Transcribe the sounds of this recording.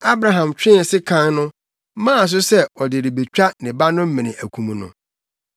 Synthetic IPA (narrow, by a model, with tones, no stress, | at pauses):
a˦bɾa˨ɦã˨mt͡ɕᶣɪ˦˨sɪ˦kʰã˦nnʊ̃˦ | mãː˦˨s̬ʊ˦sɛ˦ɔ˨dɪ˨ɾɪ˨be˨t͡ɕᶣa˦nɪ̃˨ba˦nʊ̃˦m̩˦mɪ̃˨nɪ̃˨ʔæ˨kʷʰũ˨mũ˨nʊ̰̃˨